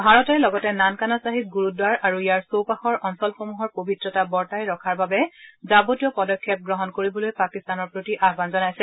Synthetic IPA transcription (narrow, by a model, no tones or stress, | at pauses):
bʱaɹɔtɛɹlɔɡɔtɛnankanasaɦit̚ɡuɹudwaɹʔaɹuijaɹsowpaxɔɹʔɔnsɔlxomuɦɔɹpobʱitɹɔtabɔɹtajɹɔkʰaɹbabɛzabotijɔpɔdɔkʰːjɛp̚ɡɹɔɦɔnkoɹibɔlojpakistanɔɹpɹotiʔaɦbanzɔnajsɛ